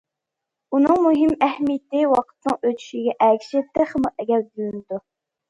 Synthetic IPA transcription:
unɨŋmuɦimɛhmijɪt̪ɪwɑqʰə̥t̪nɨŋøt̪ʰy̥ʃiɡʲɛʔɛkʲʰi̥ʃɪt̪ʰːɨχəmuʔɛɡʲɛld̪yjynɪd̪u

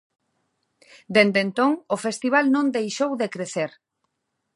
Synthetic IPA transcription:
d̪end̪ent̪õŋofest̪iβ̞alnõnd̪ejʃowðekɾeθeɾ

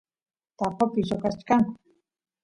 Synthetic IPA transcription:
t̪apapisokat͡ʃkaŋ

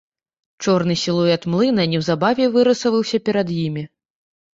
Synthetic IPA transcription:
t͡ʂɔrnɨsʲilˠujɛt̪mlˠɨnɐnʲɛwzabavʲɛvɨɾɨsɐvɐwsʲɐpʲɛɾɐd̪jimʲi

